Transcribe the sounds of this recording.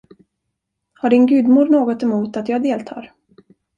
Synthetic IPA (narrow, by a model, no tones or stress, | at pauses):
haɖɪnɡʉ̟ːd̪muːɖnoːɡɔt̪ɛmuːt̪at̪jɑːɡd̪eːlt̪ʰɑ̰ːɾ